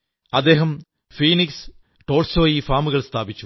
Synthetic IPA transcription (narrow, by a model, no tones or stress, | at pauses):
ɐd̪ːe̞ːɦɐm | fiːniks | ʈo̞ːɭsoːjiːfaːmuɣɐɭst̪ʰaːbit͡ɕːu̥